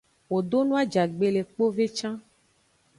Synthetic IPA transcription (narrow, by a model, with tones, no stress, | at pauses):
wo˨dɖo˦nũ˦a˦d͡ʒa˨ɡ͡be˨le˨k͡po˦ve˦t͡ʃã˦